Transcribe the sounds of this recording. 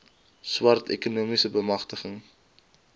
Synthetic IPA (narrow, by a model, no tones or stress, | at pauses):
swɐrtʰɛ̰kunuəmisəbəmɐχtəχəŋ